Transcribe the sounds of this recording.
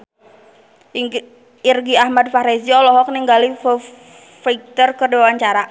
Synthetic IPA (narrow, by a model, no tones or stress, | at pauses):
irɡiahmad̪̚faɾesiɔlɔɦɔk̚niŋɡalif | fik̚t̪ərkərdewaɲt͡ʃaɾa